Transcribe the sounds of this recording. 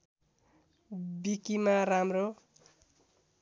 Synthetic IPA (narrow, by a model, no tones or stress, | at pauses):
bikimaramro